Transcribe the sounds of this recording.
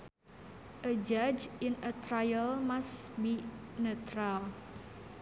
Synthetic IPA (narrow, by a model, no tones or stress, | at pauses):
ʔəd͡ʒad͡ʒɪnət̪ɾajəlmasbinət̪ɾal